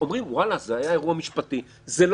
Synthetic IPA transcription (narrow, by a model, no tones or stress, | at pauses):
omʁimwalazeajae̞ʁuamiʃpat̪i | zel